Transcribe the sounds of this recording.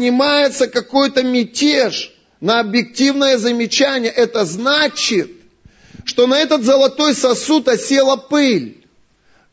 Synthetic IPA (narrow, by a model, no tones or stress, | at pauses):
nʲɪmajɪt̪səkɐko̞jt̪əmʲɪtʲeʂ | nəɐbjɪk̚tʲivnəjəzəmʲɪt͡ɕænʲɪjəʔɛt̪əznat͡ɕɪt̪̚ | ʂt̪o̞nɐɛt̪ət̪zəlˠɐt̪o̞jsɐsut̪ɐsʲe̞lˠəpɨlʲ